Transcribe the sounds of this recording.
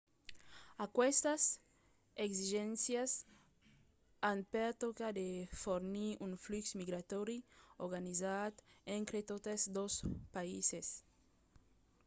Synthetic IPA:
akwɛst̪as | ekziʒɛ̃nsjas | anpeɾt̪okad̪efoɾniuŋfluksmiɡɾat̪ɔɾioɾɡanizat̪ẽnt̪ɾet̪ot̪ezd̪ospaises

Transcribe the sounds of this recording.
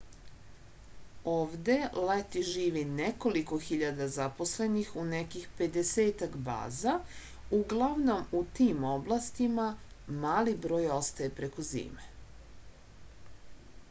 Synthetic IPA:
o̞ːʋd̪e̞let̪iʒiːʋineko̞liko̞xiʎad̪azapo̞sle̞nixunekixpe̞d̪eseːt̪akba̰ːza | uɡlˠaʋno̞mut̪iːmo̞blˠast̪imamaːlibɾo̞ːjo̞st̪ajepɾe̞ko̞zḭːme̥

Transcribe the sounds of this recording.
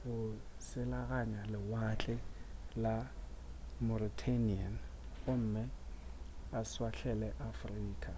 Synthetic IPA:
ɣʊ | sɪlaɣaɲalɪwat͡ɬʼɪla | mɔɾitʰanian | ɣʊm̩ːmɪ | aswaɬʰɛlɛʔafriːkʼa

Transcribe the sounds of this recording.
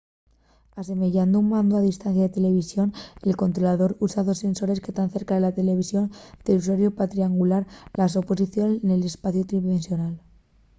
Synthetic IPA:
ase̞me̞ʝand̪ouŋmãnd̪oaðist̪anθjaðe̞t̪e̞le̞β̞isjo̞nelko̞nt̪ɾolaðo̞ɾusaðo̞se̞nso̞ɾe̞ske̞st̪anθe̞ɾkaðe̞lat̪e̞le̞β̞isjo̞nt̪euswaɾjopat̪ɾiaŋɡulaɾlaso̞po̞siθjonsenele̞spaθjot̪ɾiβensjo̞nal

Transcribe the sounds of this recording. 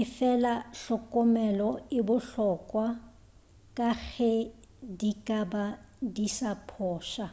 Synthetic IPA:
ɪfɛlaɬɔkʼɔmɛlɔɪbʊɬɔkʼwa | kʼaɣɛ | dikʼaba | disapʰɔːʃa

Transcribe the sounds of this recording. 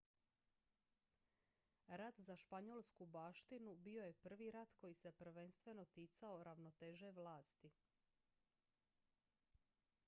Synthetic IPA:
ɾad̪zaʃpaɲolˠskubaːʃt̪inubio̞je̞pr̩ʋiɾat̪ko̞jise̞pr̩ʋe̞nst̪ʋe̞no̞t̪iːt̪sao̞ɾaʋno̞t̪eːʒe̞ʋlaːst̪i

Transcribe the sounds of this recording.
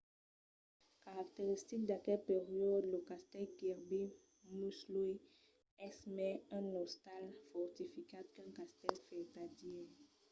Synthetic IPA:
kaʁak̚t̪eʁist̪ik̚d̪akɛlpeʁjɔd̪ləkast̪ɛlkɛʁbe | muslui | ɛsmɛɛ̃nɔst̪alfɔʁt̪ifikad̪̚kɛ̃kast̪ɛlfɛt̪ad̪iɛ

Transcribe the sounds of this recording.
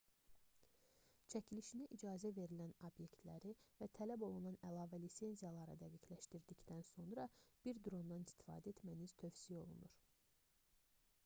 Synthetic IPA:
t͡ʃʰæcʰiliʃinæʔid͡ʒɑːzæve̞ɾilænobje̞kt̪læɾivæt̪ʰælæbo̞lˠunɑnælˠɑːvælise̞nzijɑlˠɑɾɯd̪æɡicʰlæʃt̪iɾd̪icd̪ænso̞nɾɑb̥iɾd̪ɾo̞nd̪ɑnist̪i̥fɑ̰ːd̪æet̪mæniz̥t̪ʰø̞fsio̞lˠṵnuɾ̥

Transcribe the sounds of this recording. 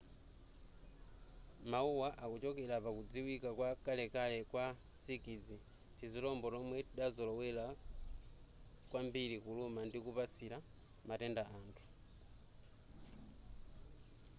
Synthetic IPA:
mauwaʔakut͡ʃɔkelapakud͡ziwikakwakalɛkalɛkwa | sikid͡zi | tʰizilɔmbɔɾomwetiɗazolɔwɛla | kwambilikulumandikupat͡sʰila | matɛndaʔantʰu̥

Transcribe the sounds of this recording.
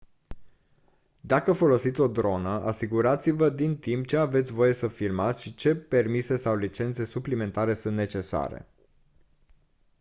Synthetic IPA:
d̪akəfo̞lo̞sit̪sʲo̞d̪ɾo̞nəʔasiɡuɾat̪sivəd̪int̪imp̚t͡ʃe̞ave̞t̪sʲvo̞je̞səfirmat̪sʲʃit͡ʃe̞pe̞rmise̞sawlit͡ʃe̞nt̪se̞suplime̞nt̪aɾe̞sunt̪net͡ʃe̞sa̰ɾe̞̰

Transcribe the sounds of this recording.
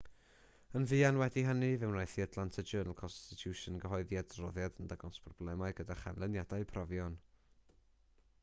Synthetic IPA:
ənvɨːanwɛdiɦənivɨwmnajθiatʰlˠantʰəd͡ʒəːnəlˠkʰɔnstɪtʰjuʃənɡəɦɔɨðiadrɔðjadəndaɡɔnspʰrɔb̥lˠɛmaɨɡədaχa̰nlˠənjadaɨpʰrɔvjɔn

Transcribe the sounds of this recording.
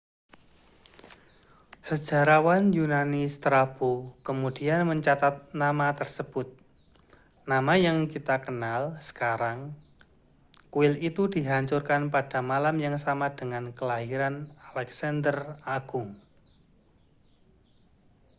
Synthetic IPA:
səd̥ʒ̥a̤ɾawanjunanɪst̪ɾab̥okəmud̥ianməɲt͡ʃat̪at̪̚namat̪ərsəb̥ʊt̪̚ | namajaŋkit̪akənalsə̥kaɾaŋ | kuɪlit̪ud̥iɦaɲt͡ʃʊrkanpad̥amalamjaŋsamad̥əŋankəlaɦiɾanalɛksandəraɡ̥ʊŋ

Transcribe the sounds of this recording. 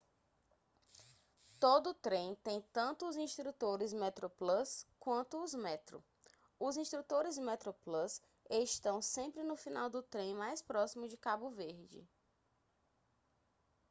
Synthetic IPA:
t̪od̪ʊt̪ɾẽj̃t̪ẽj̃t̪ɐ̃nt̪ʊːzĩʃt̪ɾut̪oɾɪzmɛt̪ɾoplɐskwɐ̃nt̪ʊːzmɛt̪ɾʊ̰ | ʊzĩʃt̪ɾut̪oɾɪzmɛt̪ɾoplɐs | eʃt̪ɐ̃w̃sẽpɾɪnʊfĩnawd̪ʊt̪ɾẽj̃majspɾɔsimʊd͡ʒɪkabʊveɾd͡ʒɪ̰

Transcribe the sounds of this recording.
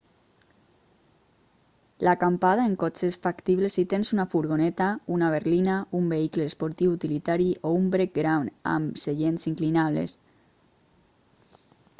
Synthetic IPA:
lakampaðaeŋkɔt͡ʃesfakt̪iβ̞lesit̪ensunafuɾɣonɛt̪aunaβ̞eɾlinaumbeikleːspoɾt̪iwut̪ilit̪aɾiʔoumbɾek̚ɡɾawna̰mseʎensiŋklinaβlḛs

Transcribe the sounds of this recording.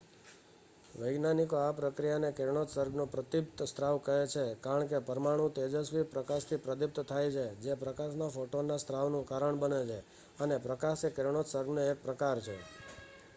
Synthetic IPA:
ʋəjɡnanikoapɾəkɾijanekeɾɳot̪səɾɡnũpɾət̪ip̚t̪st̪ɾaʋkəɦet͡ʃʰekaɾəɳkepəɾmaɽ̃ũt̪ed͡ʒəsʋipɾəkaʃt̪ʰipɾəd̪ip̚t̪t̪ʰajt͡ʃʰed͡ʒepɾəkaʃnafoʈonast̪ɾaʋnũkaɾəɳbənet͡ʃʰe | ənepɾəkasekeɾɳ̃ot̪səɾɡnoek̚pɾəkaɾt͡ʃʰḛ

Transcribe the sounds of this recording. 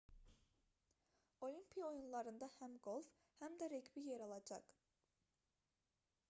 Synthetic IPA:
olˠimpʰijɑojunlˠɑɾɯnd̪ɑhæmɡolˠf | hæmd̪æɾæɡbijeɾɑlˠɑd͡ʒɑ̰q

